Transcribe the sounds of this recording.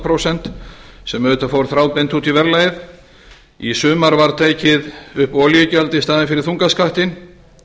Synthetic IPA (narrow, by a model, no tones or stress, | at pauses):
pʰɾowsɛn̥t̪sɛmœʏt̪afowɾθɾaːwp̪ejnt̪huːt̪ivɛɾlaːjð | isʏːmaɾvaɾt̪ʰeːjcɪðʏhpɔljʏcɛlt̪ɪst̪aːðɪnfɪɾɪɾ̥θuŋkaskaht̪ɪn